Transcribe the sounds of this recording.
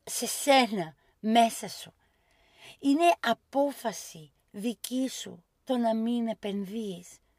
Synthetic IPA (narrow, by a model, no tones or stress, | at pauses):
se̞se̞nɐ | me̞sɐsu | ine̞ʔɐpo̞fɐsi | ðicisṵ | t̪o̞nɐmine̞pe̞nðies